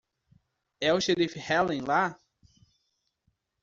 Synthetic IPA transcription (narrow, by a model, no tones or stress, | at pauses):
ɛʊʃeɾifhɛlẽla